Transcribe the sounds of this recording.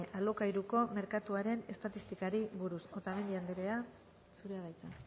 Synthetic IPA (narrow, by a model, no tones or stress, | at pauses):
ʔalokaiɾuko̞me̞ɾkat̪uaɾe̞ne̞st̪at̪ist̪ikaɾiβuɾuso̞t̪ame̞nd̪iand̪eɾea | suɾeaðajt͡sen